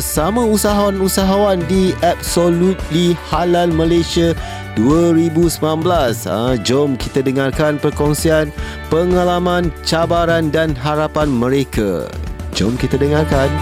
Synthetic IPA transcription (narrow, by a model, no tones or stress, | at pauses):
samãusaɦawanusaɦawandiap̚solut̪̚lihalanmə̃lasia | duaɾibusəmlanblasə̰d͡ʒɔmkit̪adəŋarkanpərkɔŋsian | pəŋalamãnt͡ʃabaɾandanɦaɾapanmə̃ɾekʰa̰d͡ʒɔ̰mkit̪adəŋarkan